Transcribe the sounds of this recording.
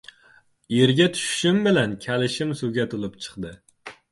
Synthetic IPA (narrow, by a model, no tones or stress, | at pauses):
eɾɡʲɛt̪ʰy̥ʃʃymbɪlɛnkʲʰɛlɪʃɪmsuɡʲɛt̪ʰolˠɨpt͡ʃʰə̥χd̪ɨ